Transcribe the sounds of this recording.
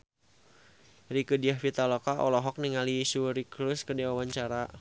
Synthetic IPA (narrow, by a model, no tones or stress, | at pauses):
rikədiahfit̪alɔkaʔɔlɔɦɔk̚niŋalisuɾikluskədiawawaɲt͡ʃaɾa